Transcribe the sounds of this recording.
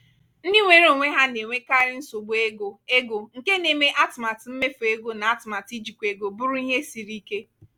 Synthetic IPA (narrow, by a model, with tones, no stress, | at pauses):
n̩˦di˦ŋʷe˨ɾo˨ŋʷe˦ɦa˦ne˨ŋʷe˦ka˦ɾɪ˦n̩˦so˨ɡ͡bo˦e˦ɡo˨e˦ɡo˨ŋ̩˨ke˦ne˨me˨ʔa˦tma˨tm̩˦me˦fo˨e˦ɡo˦na˨a˦tma˨ti˦d͡ʒi˨kʷe˨ɡo˨bʊ˦ɾʊ˦i˦ɦe˦si˨ɾi˦ke˦